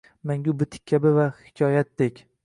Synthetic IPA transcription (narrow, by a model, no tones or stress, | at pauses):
maŋʲʊbɪt̪ʰɪ̥k̚ʲʰːabɪvahɪ̥kʲʰɒjat̪̚d̪ekʲ